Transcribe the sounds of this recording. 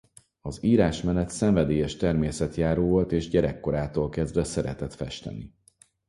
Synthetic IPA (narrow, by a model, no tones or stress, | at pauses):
ɒziːɾaːʃmɛnɛt̪sɛɱvɛd̪eːjɛʃt̪ɛrmeːsɛt̪jaːɾoːvo̞lt̪eːʒɟɛɾɛkːo̞ɾaːt̪oːlkɛzd̪vɛsɛɾɛ̰t̪ɛt̪fɛʃt̪ɛ̰ni